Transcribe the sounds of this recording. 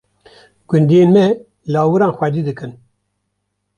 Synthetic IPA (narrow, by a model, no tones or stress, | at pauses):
ɡ̥ʊnd̪ijeːnmɛ | lɑːwɨɾɑːnxʷɛd̪iːd̪ɨkɨn